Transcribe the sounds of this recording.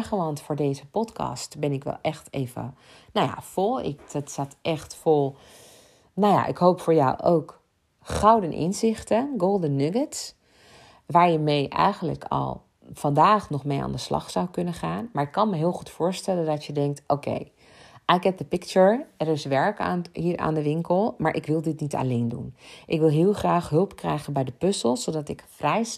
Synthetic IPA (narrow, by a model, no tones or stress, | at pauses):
χəʋɑntfʊːɹdejzəpɔtkɑ̰stbɛnɪkʋɛ̰lˠʔɛχtejvə̰ | nawja̰fɔlˠɪ̰kdɔtsatʔɛχtfolˠ | nawja̰ʔɪ̰kɦowpfʊːɹja̰wʔo̰wk | χɑwdənʔɪ̰nzɪχtənɡolˠdənːɵɡəts | ʋaːɹjəmejʔɛ̰jχənlə̰kʰɑ̰lˠ | v̥ɑndaːχnɔχmeja̰ːndəslɑ̰χsawkɵnəχaːnmaːɹɪkːɑnməɦɪːlˠχutfʊːɹstɛləndɑtjədɛŋk̚tʔowkḛj | ʔajkɛp̚dəpɪkt͡ʃəɹɛɾɪsʋɛɹka̰nɦiːɹʔa̰ːndəʋɪŋkəlˠmaːɹʔɪ̰kʋɪlˠdɪtnita̰lejndṵnʔɪkʋɪlˠɦɪːlˠχraːχɦɵlˠpkrɛjχənbɛjdəpɵsəlˠszodɑtɪkfrɛj